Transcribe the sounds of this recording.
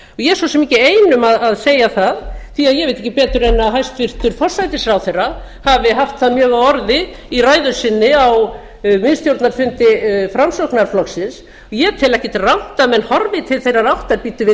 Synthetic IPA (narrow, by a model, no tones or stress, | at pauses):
ɔɣjɛsɔsɛmːiːcɪeːjnʏmaðaðseːjaθaðθiaðjɛɣvejt̪ɪ̥hcːɪpɛːt̪ʏɾɛnːaɦajst̪fɪr̥t̪ʏɾ̥fɔr̥sajt̪ɪsɾawθejra | havɪɦaft̪θaðmjœːɣaɔɾðɪ | iraːjðʏ̥sɪnːɪaw | mɪðst̪jowɾt̪naɾ̥fʏnt̪ɪfɾamsɔknaɾ̥flɔksɪns | ɔjɛt̪ʰɪlɛhcɪt̪ɪrawht̪amɛnhɔɾvɪt̪ʰɪlθejrarawht̪aɾpiːt̪ʏvɪ